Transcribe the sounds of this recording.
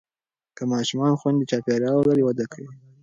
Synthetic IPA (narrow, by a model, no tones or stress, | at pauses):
kəmɑʃumɑnxwand̪et͡ʃɑpeɾjɑwlaɾewad̪akʰawi